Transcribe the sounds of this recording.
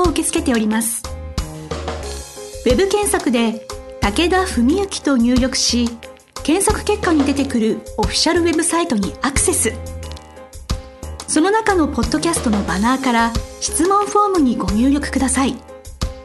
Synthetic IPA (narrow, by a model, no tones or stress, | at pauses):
oɯ̟ke̞t͡sɨ̥ke̞t̪e̞o̞ɾʲimasɨ̥ | we̞bɯ̟kẽ̞ɰ̃sakɯ̟d̪e̞t̪ake̞d̪aɸɯ̟mʲiɯ̟kʲi̥t̪o̞ɲ̟ɨːɾʲo̞kɯ̟̥ɕi | kẽ̞ɰ̃sokɯ̟̥ke̞kːaɲ̟id̪e̞t̪e̞kɯ̟ɾɯ̟o̞ɸʲi̥ɕaɾɯ̟βe̞bɯ̟sait̪o̞ɲ̟iakɯ̟̥se̞sɨ | so̞no̞nakano̞po̞d̪ːo̞kʲasɨ̥t̪o̞no̞banaːkaɾaɕi̥t͡sɨmõ̞ɰ̃ɸo̞ːmɯ̟ɲ̟iɡo̞ɲ̟ʲɨːɾʲo̞kɯ̟̥kɯ̟d̪asai